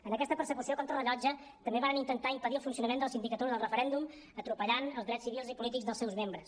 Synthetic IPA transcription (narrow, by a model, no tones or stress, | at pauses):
ənəkɛst̪əpəɾsəkusiokɔnt̪ɾələʎɔd͡ʒə | t̪əmbeβaɾənint̪ənt̪aimpəðiəlˠfunsiunəmend̪əlˠsind̪ikət̪oiðəlˠrəfəɾɛnd̪um | ət̪ɾupəʎanəlˠzðɾɛsiβilˠzipulit̪̬ikɡzðəlˠsɛwzmembɾəs